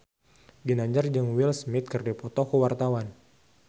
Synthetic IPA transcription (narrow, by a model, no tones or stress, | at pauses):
ɡinaɲd͡ʒard͡ʒɨŋwilsmɪt̪̚kɨrdipɔt̪ɔkuwart̪awan